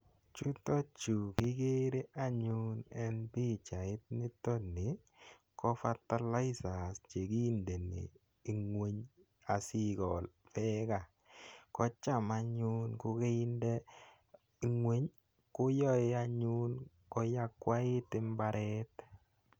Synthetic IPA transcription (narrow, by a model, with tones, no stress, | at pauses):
t͡ʃu˦tɔ˦t͡ʃu˨kɪ˦ke˦ɾe˦ʔa˦ɲu˦nɛ˦npi˦t͡ʃa˨ɪ˦t̚nɪ˦tɔ˦nːi˨ | kɔ˦fa˦ta˦la˦i˦sa˨st͡ʃe˨ki˦nde˨nḭ˨ | i˨ŋwe˦ɲ | a˨si˦kɔ˨lfɛ˦ka˦˨ | kɔ˦t͡ʃa˦˨ma˨ɲu˦nkʊ˦ke˦i˦ndɛ˦ | ŋwe˦ɲ | kʊ˦jɔ˦ɪ˦a˦ɲu˦n | kɔ˦ja˦kwa˦ɪ˦tɪ˦mba˦ɾʔɛ˦t